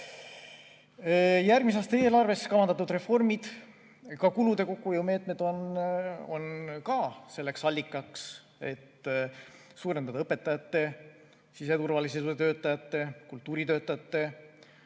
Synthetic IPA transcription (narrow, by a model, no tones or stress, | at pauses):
jærɡmis̬ɑːst̪ɑe̞ːlɑrve̞skɑlɑnd̪ɑt̪ːud̪re̞fo̞rmid̪̥ | kɑkulud̪̥e̞ko̞kːˑujume̞ːt̪̚ˑme̞d̪̥o̞n | o̞̰nkɑse̞lːe̞ksɑlʲːikːˑɑks | e̞t̪ː | suːɾend̪ɑd̪ɑɤpːe̞t̪ːˑɑjɑt̪ːe̞ | sise̞t̪urvɑliset̪ø̞ːt̪ːˑɑjɑt̪ːe̞kult̪ːuːɾit̪ø̞ːt̪ːˑɑjɑt̪ːe̞